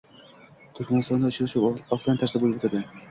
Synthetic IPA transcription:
t̪ʰʊɾkʲmanɨst̪ɒnd̪aʊt͡ʃʰalˠɪʃuɒfant̪ʰːaɾsɪbolˠɪpbot̪ʰad̪ɪ

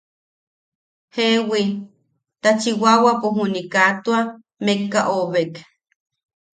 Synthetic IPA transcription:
hewi | t̪at͡ʃiwawapuɦunikat̪ua | mekːaʔoβek

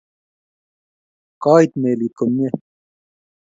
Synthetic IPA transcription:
qɑːit̪meːliːkʰomje

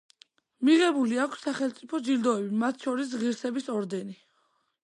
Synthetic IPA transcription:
miʁɛbuliakʰsːaχɛlˠt̪sʼipʰɔd͡ʒiɾd̪ɔɛbimat̪ʰʃɔɾis̬ʁiɾsɛbisɔɾd̪ɛni

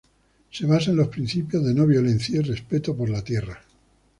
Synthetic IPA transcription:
se̞β̞asaenlo̞spɾin̟θipjozðenoβ̞jo̞len̟θjairespet̪opoɾlat̪je̞ra

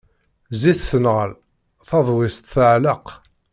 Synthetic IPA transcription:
ziθθənʁə̰l | θɑðˤwɪst̪θəʕləq

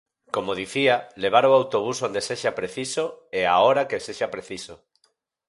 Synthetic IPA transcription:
komoðiθialeβ̞aɾoawt̪oβ̞usond̪eseʃapɾeθisoeaoɾakeseʃapɾeθiso

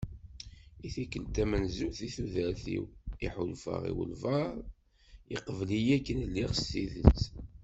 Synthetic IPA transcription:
iθikːəlt̪æmənzuθiθuðəɾθḭwiħʊlfə̰ʁḭwə̰lvəɾˤ | iqvlijækːənlːiʁsiðət͡s

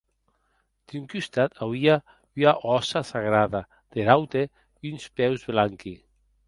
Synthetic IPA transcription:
d̪̥yŋkyst̪at̪ʰawia | yaʔɔsasaɣɾaða | d̪̥eɾawt̪e | ynspɛwzβlaŋki

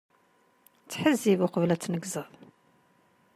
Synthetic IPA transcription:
t͡sːħəzːivʊqəvlæt͡sːnəɡzəðˤ

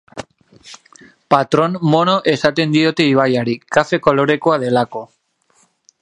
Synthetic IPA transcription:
pat̪ɾo̞nmo̞no̞ʔe̞sat̪e̞nd̪io̞t̪e̞iβ̞ajaɾikafe̞ko̞lo̞ɾe̞ko̞að̞e̞lako̞

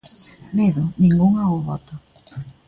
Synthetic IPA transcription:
meðʊnĩŋɡuŋaoβɔ̰t̪ʊ

